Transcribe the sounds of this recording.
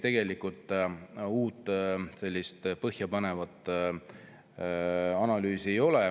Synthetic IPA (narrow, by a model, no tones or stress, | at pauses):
t̪e̞ɡ̥e̞likult̪ˑuːt̪ːˑse̞lʲːist̪pɤhjɑpɑne̞vɑt̪ːˑ | ɑnɑlyːsie̞jo̞lɛ